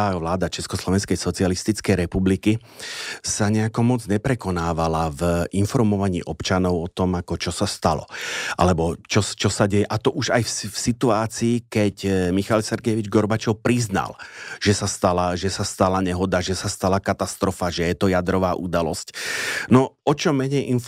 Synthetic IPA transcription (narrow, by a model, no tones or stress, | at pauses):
aʋlaːd̪at͡ʃɛskɔslɔʋɛnskɛjsɔt͡sialist̪it͡skɛjɾɛpubliki | saɲɛakɔmɔd͡zɲɛpɾɛkɔnaːʋalavinfɔɾmɔʋaɲḭːʔɔpt͡ʃanɔʊɔt̪ɔmakɔt͡ʃɔsast̪alɔ̰ʔa̰lɛbɔt͡ʃɔt͡ʃɔsaɟɛjɛʔat̪ɔʔuʒajffsit̪uaːt͡siːkɛcmixalsɛɾɡɛʋid͡ʒɡɔɾbat͡ʃɔʊpɾizna̰lʒ̥ɛsast̪alaʒɛsast̪alaɲɛɦɔd̪aʒɛsast̪alakat̪ast̪ɾɔfaʒɛjɛt̪ɔjad̪ɾɔʋaːʔṵd̪alɔ̰scnɔɔt͡ʃɔmɛɲɛjʔin